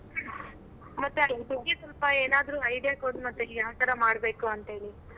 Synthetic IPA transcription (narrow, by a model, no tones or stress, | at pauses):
mɐt̪ːebuɡesʋɐlpɐeːnaːd̪ɾuːɐjd̪jaːkoːd̪umɐt̪ːeiaːt̪ɐɾɐmaːɽbe̞ːkuɐnt̪ɦe̞ːɭi